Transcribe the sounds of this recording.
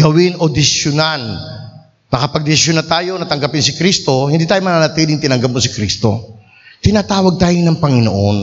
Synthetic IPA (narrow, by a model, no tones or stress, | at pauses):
ɡɐwɪnod̪ɪʃʊnan | mɐkɐpɐɡ̚d̪ɪsɪʃʊnat̪aːjo̞nɐt̪ɐŋɡɐpɪnsɪkɾist̪o̞hɪnd̪iːt̪aːjomɐnanɐt̪iːlɪŋt̪ɪnɐŋɡɐp̚mosɪkɾist̪o̞̰ | t̪ɪnat̪aːwɐɡ̚t̪aːjonɐŋpɐŋɪno̰ʔon